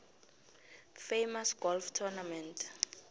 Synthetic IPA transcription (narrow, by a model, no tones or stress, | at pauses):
fejmasɡ̥ɔlftʰɔnamɛ̃ntʰ